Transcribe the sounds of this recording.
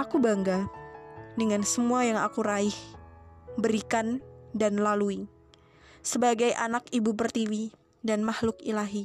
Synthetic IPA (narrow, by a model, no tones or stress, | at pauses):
ʔakubaŋɡa | dəŋansəmuajaŋa̰kuɾaɪh | bəɾikandanlalui | səbaɡajʔa̰nakibubərt̪iwi | danmahlʊkilaɦi